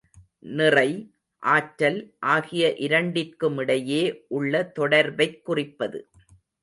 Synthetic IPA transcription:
nɪrɐɪ | ʔaːʈɾɐlʔaːɣɪjɐʔɪɾɐɳɖɪrkɯmɪɽɐjeːʔʊɭːɐt̪ɔɽɐɾbɐɪkːʊrɪpːɐðɯ̰

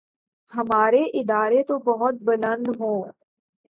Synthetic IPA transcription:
hɐmaːɾeʔɪd̪aːɾet̪obɐɦʊt̪̚bɐlə̃nd̪ɦõː

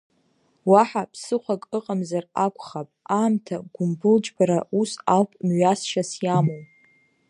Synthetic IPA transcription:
waħapʰsɨχʷakʼɨqʼamzarakʷʰʼχapʼaːmtʰaɡ̥ʷʊmbɨld͡ʒbaɾausalpʼmɥasʃasjamowʼ

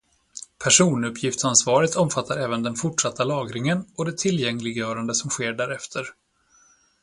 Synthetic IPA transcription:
pʰæʂuːnɵpʰːjɪft̪sansvɑːɾɪt̪ʰɔmfat̪ʰːaɾɛːvənd̪ɛnfʊʈʂat̪ːalɑːɡɾɪŋənɔd̪ɛt̪ʰɪlːjɛŋlɪɡjœːɾand̪əsɔmɧeːɖæːɾɛft̪ʰəɾ

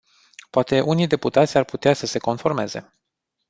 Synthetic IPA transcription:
poat̪e̞ʔunijd̪e̞put̪at̪sʲarput̪easəse̞ko̞nfo̞rme̞ze̞̰

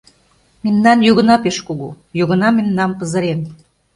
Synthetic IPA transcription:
memnɑnjuɣə̆nɑpeʃkoɣu | joɣə̆nɑmemnɑmpə̆zə̆ɾen

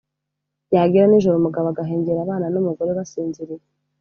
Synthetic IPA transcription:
jaːɡiɾaniʒoɾomuɡaβaɡaɦe̞ːɲɟeɾaβaːnanomuɡo̞ɾeβasiːnziɾiɾe

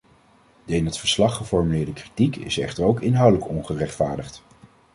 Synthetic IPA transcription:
dəɪnɦətfəɹslɑχəfɔɹmylɪːɹdəkritikɪ̰sɛχtəɹowkɪnɦœwdələkɔnχərɛχtfaːɹdəχt

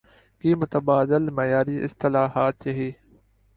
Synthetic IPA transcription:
kiːmʊt̪əbaːd̪ɪlmɐjaːɾiːʔɪ̰st̪ɪlaːɦaːt̪jɐɦeː

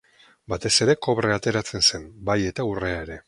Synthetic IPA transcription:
bat̪e̞se̞ɾe̞ko̞βɾe̞at̪e̞ɾat͡se̞nse̞mbaje̞t̪aure̞aeɾe̞

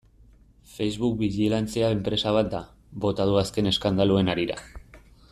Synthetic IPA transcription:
fe̞jzβuk̚biʝilant͡seae̞mpɾe̞saβ̞at̪̚d̪a | bo̞t̪að̞uaske̞ne̞skand̪alue̞naɾiɾa̰

